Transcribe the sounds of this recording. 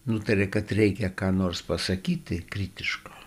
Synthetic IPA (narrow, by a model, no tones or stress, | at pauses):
nut̪ɐɾʲɛkɐt̪ɾʲɛɪkʲɛkɑːnoːrspɐsɐkʲiːt̪ʲɪkrʲiːt̪ʲɪʃkoː